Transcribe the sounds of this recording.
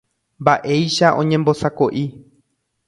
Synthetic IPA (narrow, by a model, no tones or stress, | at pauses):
mbaʔe̞jʃaʔõ̞ɲẽ̞mbo̞sakoʔi